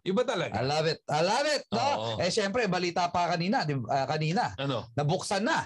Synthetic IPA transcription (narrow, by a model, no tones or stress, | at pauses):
ʔɪbɐt̪ɐlɐɡʔaɐ̰laːvɛt̪̚ʔɐlavɪt̪̚noʔɛʃɛmpɾɛbɐliːt̪aːpɐkɐniːnɐd̪ɪɐkɐniːnɐʔɐnonɐbʊksɐnːɐ